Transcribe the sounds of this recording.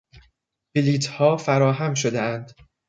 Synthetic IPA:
biliːt̪ʰhɒːfæɾɒːɦæmʃ̬od̪eænd̪̥

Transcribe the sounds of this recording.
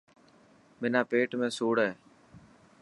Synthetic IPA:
mɪnaːpeːʈmẽːsuːɽeː

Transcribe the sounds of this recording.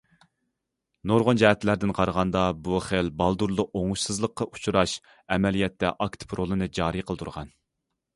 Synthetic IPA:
noɾʁond͡ʒɛhɛt̪læɾd̪ɪnqʰɑɾʁɑnd̪ɑbuχelbɑlˠd̪uɾlˠʊoŋuʃsɨzlˠəqːɑʔu̥t͡ʃʰuɾɑʃ | ɛmɛlijɛt̪ːɛ̰ʔɑkt̪ʰpʰɾolˠɨnɨd͡ʒɑːɾiqʰəlˠɨt̪ʰuɾʁɑn

